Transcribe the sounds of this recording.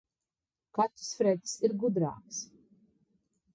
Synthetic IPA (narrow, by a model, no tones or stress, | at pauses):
kat̪ɾ̥sfɾɛt̪ʲsiɾɡud̪ɾa̰ːks